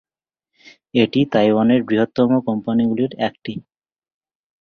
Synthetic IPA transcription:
eʈit̪ajwaneɾbɾiɦot̪ːɔmokɔmpaniɡuliɾɛkʈi

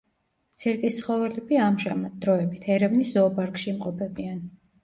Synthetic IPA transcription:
t̪sʰɛɾkʼist̪sʰχɔvɛlɛbiamʒɛmad̪̥ɾɔɛbit̪ʰɛɾɛvniszɔːpʼaɾkʼʃiːmqʼɔpʰɛbian

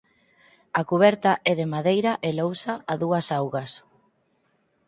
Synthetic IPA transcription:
akuβ̞ɛɾt̪ɐʔɛðemaðejɾɐʔelowsaaðuɐsawɣɐs

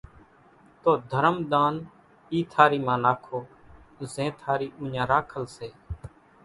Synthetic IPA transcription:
t̪oːd̪ʱəɾəmd̪aːn | iːt̪ʰaːɾiːmãːnaːkʰoː | zẽːt̪ʰaːɾiːʔʊ̃ːɲãːɾaːkʰəlseː

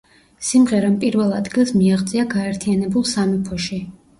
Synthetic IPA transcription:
simʁɛɾampʼiɾvɛlˠad̪ɡilˠsmiaʁt̪sʼiaɡaɛɾt̪ʰianɛbulˠsamɛpʰɔʃi

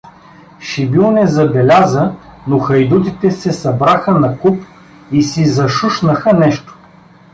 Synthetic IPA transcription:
ʃibilˠnɛzɐbɛlʲazənoxɐjd̪ut̪it̪ɛsɛsɐbɾaxənɐkup | isizɐʃuʃnəxənɛʃt̪o̥

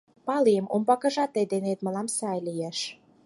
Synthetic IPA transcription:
pɑlijəmʔumbɑkə̆ʒɑt̪ːed̪enet̪məlɑmsɑjlijeʃ

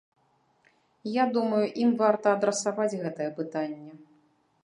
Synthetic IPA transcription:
jad̪umɐjuʔimvart̪ɐːd̪ɾɐsavad͡zʲɣɛt̪ɐjɛpɨt̪anʲːɛ

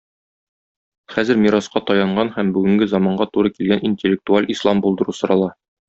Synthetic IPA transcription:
χæzɘɾmʲiɾɑsqɑt̪ɒjɑɴɢɑnhæmbʉɡɘ̆ŋɡɘzɒmɑɴɢɑt̪uɾɤkilɡæninʲtʲelʲːɪk̚t̪ualʲʔislˠɑmbulˠd̪ɤ̆ɾusŏɾɑlˠɑ

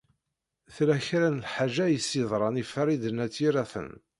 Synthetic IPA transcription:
θlæçɾænəlħaʒæjəsːiðˤɾˤɑnifɾˤid̪ənæt͡sːiɾæθə̰n

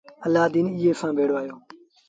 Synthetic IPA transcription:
əlːaːd̪iːniːeːsãːbʱeːɽoːaːjoː

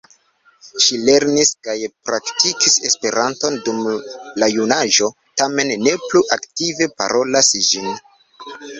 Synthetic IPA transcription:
ʃile̞ɾniskajpɾaktikise̞spe̞ɾanto̞ndumlajunaʒo̞ | tame̞nːe̞pluʔaktive̞pa̰ɾʔo̞lasd͡ʒin

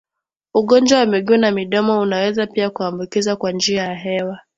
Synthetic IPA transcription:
uɠɔnd͡ʒwawamiɠunamiɗɔmɔunawɛzapiakuambukizakwand͡ʒiajaɦɛwa

